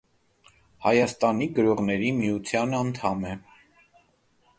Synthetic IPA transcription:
hɑjɑst̪ɑniɡəɾɔʁnɛɾimiut͡sʰjɑnɑnt̪ʰɑmɛ

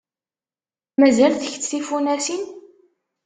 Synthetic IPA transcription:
mæzælθəçt͡s̪ːθifunæsin

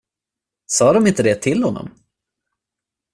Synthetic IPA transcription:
sɑːd̪ɔmɪnt̪əd̪ɛt̪ʰɪlhɔnːɔ̰m

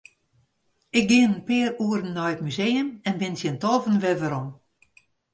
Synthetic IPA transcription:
ɪk̚ɡɪənənpɪːəruəɾənːɔjətmyzejəmɛnbɪnsjəntɔːvənʋɛvəɾɔm

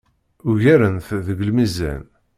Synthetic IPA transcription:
ʊʝæɾənθðəɡəlmizæ̰n

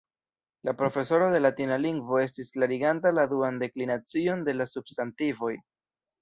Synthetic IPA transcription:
lapɾo̞fe̞so̞ɾoðe̞latinaliŋɡvo̞e̞s̬tisklaɾiɡantaladuande̞klinat͡sio̞nde̞lasub̥stantivo̞j

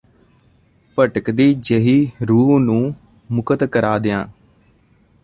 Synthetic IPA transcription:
pəʈəkd̪iːd͡ʒeɦiːɾuːnũː | mʊkət̪kəɾaːd̪ɪjã̰ː

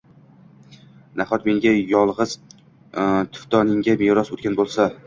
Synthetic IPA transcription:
naχɒt̪me̞ŋɡʲajɒlˠʁɨz | t̪ʰʊ̥ft̪ɒnɪŋɡʲameɾɒsot̪kʲanbolˠsa

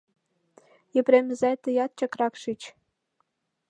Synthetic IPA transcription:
jɘ̆prʲemʲɘ̆zæt̪ɤ̆jɑt̪̚t͡ɕɑkrɑkʃit͡ɕ

